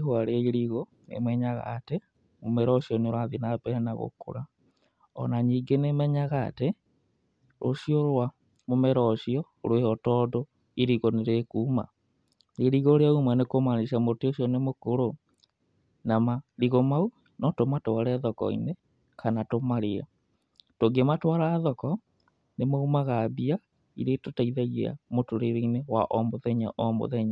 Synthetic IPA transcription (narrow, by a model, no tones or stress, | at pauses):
ɦwaɾeiɾiɣo | ḛmɛɲaɣa̰te | momɛɾɔʃiɔneoɾwaðinapɛnaɣo̰ko̰ɾa | ɔ̰naɲiːɡenemɛɲaɣa̰ːte | ɾoʃioɾwa | momɛɾɔʃiɔ | ɾwehɔtɔdo | iɾiɣɔneɾekuːma̰ | neɾiɣɔɾeaumanekomaneʃamoteoɕjɔnemokoɾo | namaɾiɣomau | nɔtomatoaɾɛðɔkɔ̰ḭne | kʰanatomaɾea̰ | toɡematwaɾaðɔkɔ | nemaumaɣaβia | iɾetotaiðaɣa̰motoɾeɾeinewaʔɔmoðɛɲa̰ʔɔmo̰ðɛɲa